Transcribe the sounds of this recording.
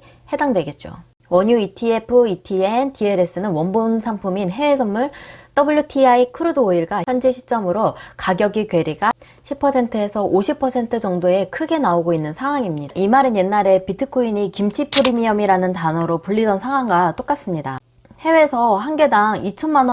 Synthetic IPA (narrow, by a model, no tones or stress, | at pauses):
he̞daŋdwe̞ɡe̞t̚t͡ɕ͈o̰ | wʌɲuitʰie̞pʰɯitʰientʰie̞ɾe̞s͈ɯnɯnwʌnbonsʰaŋpʰuminɦe̞wesʰʌnːuɭt͈ʌbɯɭjutʰiaikʰɯɾodɯoiɭɡaçjʌnd͡ʑe̞ɕʰi̥t͡ɕ͈ʌmɯɾokaɡjʌɡikwe̞ɾiɡa | ɕʰipʰʌsʰe̞ntʰɯe̞sʰʌʔoɕʰipʰʌsʰe̞ntʰɯd͡ʑʌŋdoe̞kʰɯɡe̞naoɡoinːɯnsʰaŋɦwaŋimɲiʔimaɾɯnje̞nːaɾe̞pitʰɯkʰuiɲikimt͡ɕʰipʰɯɾimiʌmiɾanɯntanʌɾopuɭʎːidʌnsʰaŋɦwaŋɡat͈ok͈as͈ɯmɲida | he̞we̞sʰʌɦanɡe̞daŋit͡ɕʰʌnman